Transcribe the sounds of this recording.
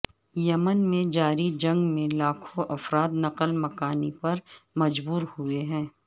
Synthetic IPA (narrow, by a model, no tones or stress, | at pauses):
jɐmənmẽd͡ʒaːɾid͡ʒɐ̃ŋɡmẽlaːkʰõʔɐfɾaːd̪nɐqəlmɐkaːnipɐɾmɐd͡ʒbuːɾhueɦɛ̃ː